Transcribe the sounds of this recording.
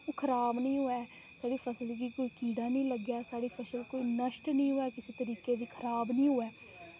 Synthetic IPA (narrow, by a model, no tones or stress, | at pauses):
oːkʰəɾaːbnəĩːɦʊɛː | saːɽiːpʰəsəlkiːkoːiːkiːɽãːnĩːləɡjaːsaːɽiːpʰəsəlkoːiːnəʃʈnəĩːɦʊːɛːkɪseːt̪əɾiːkeːd̪iːkʰəɾaːbnĩːɦoːɛː